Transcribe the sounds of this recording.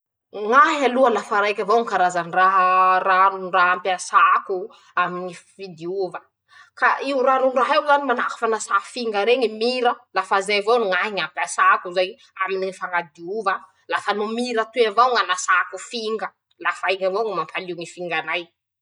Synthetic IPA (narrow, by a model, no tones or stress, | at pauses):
ŋaɦialualafaɾajkʲavowŋkaɾazaniraɦəranuɳɖ͡ʐaɦampiasaku | amiɲivid̪iuvə | kaiuranuɳɖ͡ʐaɦewzanimanakḁfanasafiŋɡəɾeɲimiɾəlafazajvonŋaɦiŋampiasakuzaj | aminiifaŋad̪iuva | lafanumiɾət̪uavawŋanasakufiŋɡə | lafajiŋavoŋamampaliwŋifiŋɡanaj